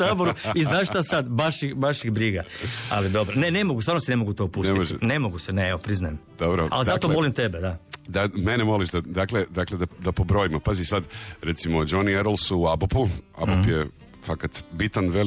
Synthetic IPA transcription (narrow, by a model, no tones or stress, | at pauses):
aboɾuiznaːʃt̪asad̪ʋaʃiʋaʃixbɾiɡaa̰lid̪o̞bɾone̞ne̞mo̞ɡusaɾnosene̞mo̞ɡut̪opuseiinemo̞ɡuseneeʋopɾiznajemd̪obɾoa̰lizat̪omo̞limt̪e̞bed̪ad̪amenemo̞liʃd̪ad̪akled̪akled̪ad̪apobɾo̞imapazisad̪ɾet̪simod͡ʒonieɾolˠsuːabopua̰bopje | fakat̪bit̪anʋe